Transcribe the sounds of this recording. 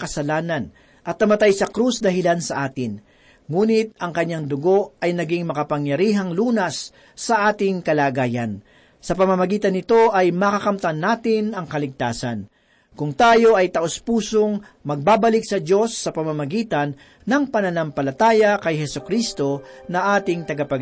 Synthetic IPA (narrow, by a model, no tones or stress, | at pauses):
kɐsɐlaːnɐn | ʔɐt̪̚nɐmɐt̪ajsɐkɾusd̪ɐɦɪlansɐʔaːt̪ɪn | ŋuːnɪt̪̚ɐŋkɐɲːaŋd̪ʊɡo̞ʔɐjnɐɡɪŋmɐkɐpɐŋjɐɾiːɦɐŋluːnɐsː | ɐʔaːt̪ɪŋkɐlaːɡaːjɐ̰n | sɐpɐmamɐɡiːt̪ɐnːɪt̪o̞ʔɐjmɐkɐkɐmt̪ɐnːaːt̪ɪnɐŋkɐlɪɡ̚t̪aːsɐ̰n | kʊŋt̪aːjo̞ʔɐjt̪ɐʔospuːsoŋ | mɐɡ̚baːbɐlɪk̚sɐdo̞sːɐpɐmamɐɡiːt̪ɐnː | ɐŋpɐnɐnɐmpɐlɐt̪aːjɐkɐjɦɛsʊkɾist̪o̞nɐʔaːt̪ɪŋt̪ɐɡɐpɐ